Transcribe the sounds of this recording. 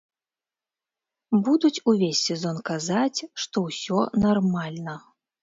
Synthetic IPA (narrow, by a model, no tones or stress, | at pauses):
bud̪ut͡sʲuvʲesʲːɛzɔnkazat͡sʲʂt̪ɔwsʲɔnarmalʲnɐ